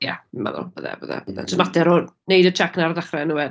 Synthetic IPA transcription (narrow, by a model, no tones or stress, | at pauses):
jama̰ðɔ̰bəðɛ̰bəðɛ̰bəðɛ̰tʰɔsmatdɛɾɔnejdətʰɛknarðaχrɛnuwɛ